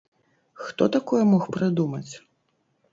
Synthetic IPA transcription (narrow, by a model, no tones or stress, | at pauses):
xt̪ɔt̪akɔjɛmɔxpɾɨd̪umɐt͡sʲ